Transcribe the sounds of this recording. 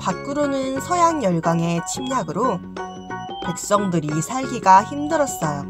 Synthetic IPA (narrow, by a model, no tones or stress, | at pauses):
pat̚k͈ɯɾonɯnsʰʌjaŋjʌɭɡaŋe̞t͡ɕʰimɲaɡɯɾo | pek̚s͈ʌŋdɯɾisʰaɭɡiɡaçimdɯɾʌst͈a